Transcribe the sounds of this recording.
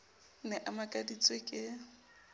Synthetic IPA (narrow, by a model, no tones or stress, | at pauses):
nɛʔamakʼadit͡sʼwekʼɪ